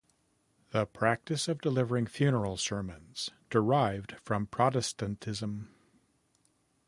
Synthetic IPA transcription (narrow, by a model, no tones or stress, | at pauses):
ðəpʰɹ̥æk̚tɨsʌvdəlɪvə˞ɪ̃ŋfjʉnə˞l̩ˠsɜ˞mə̃nz̥d̥ə˞aɪvd̥fɹʌ̃mpʰɹ̥ɑɾɨstɨ̃ntʰɪzə̃m